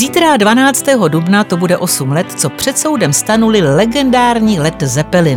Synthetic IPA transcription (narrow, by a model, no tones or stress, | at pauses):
ziːt̪ɾadvanaːt͡st̪ɛːɦo̞dubnat̪o̞budɛʔo̞sumlɛt̪t͡so̞pr̝̥ɛt̪so̞wdɛmst̪anulɪlɛɡɛndaːɾɲiːlɛt̪zɛpɛlɪn